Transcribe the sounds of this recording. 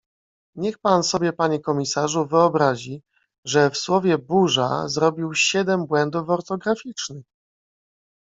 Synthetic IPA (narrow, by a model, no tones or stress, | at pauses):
ɲɛxpansɔbʲjɛpaɲɛkɔmʲisaʐuvɘɔbɾaʑi | ʐɛfswɔvʲjɛbuʐa̰zɾɔbʲiwɕɛd̪ɛmbwɛnd̪ufɔɾt̪ɔɡɾafʲit͡ʂnɘx